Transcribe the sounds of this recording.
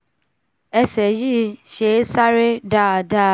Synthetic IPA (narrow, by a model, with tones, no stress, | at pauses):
ɛ˧sɛ˨ji˦˨ʃe˨˦sa˦ɾe˦da˦˨da˦